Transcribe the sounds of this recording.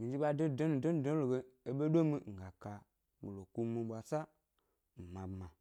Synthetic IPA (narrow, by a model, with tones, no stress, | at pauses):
mi˨d͡ʒi˦ɓa˦de˦˨de˦nu˨do˦n˨do˦lo˨ɡe˦e˨ɓe˦do˦mi˦˨ŋ̩˨ɡa˨ka˨ | ɡo˨lo˨ku˦mi˨˧˨ɓʷa˨sa˦ | m̩˨ma˨bma˨